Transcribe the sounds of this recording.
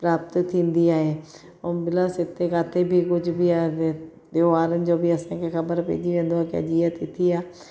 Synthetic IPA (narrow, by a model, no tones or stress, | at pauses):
pɾaːp̚t̪t̪ʰĩːnd̪iːaːeː | obɪlasɪt̪ːeːkaːt̪ʰeːbʱiːkʊt͡ʃʰbiːaːe | d̪eoaːɾənd͡ʒoːbʱiːəsãːkekʰəbəɾpḛːd͡ʒiːʋẽːnd̪oaːkɪə̰d͡ʒiːaːt̪it̪ʰiːaː